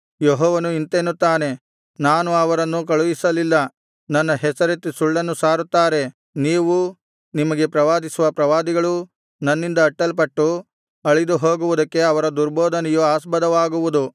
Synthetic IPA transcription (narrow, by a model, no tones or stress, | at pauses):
jɔɦɔːʋɐnuint̪eːnut̪ːaːne̞ | naːnuɐʋɐɾɐnːukɐɭuʋisɐlilːɐ | nɐnːɐɦɛsɐɾet̪ːisuɭːɐnːusaːɾut̪ːaːɾe̞ | niːʋu | nimɐɡe̞pɾɐʋaːd̪isuʋɐpɾɐʋaːd̪iɡɐɭu | nɐnːind̪ɐːʈːɐlpɐʈːu | ɐɭid̪uɦo̞ːɡuʋud̪ɐkːe̞ɐʋɐɾɐd̪uɾbɔːd̪ʱɐnɛjuaːsbɐd̪ɐʋaːɡuʋud̪u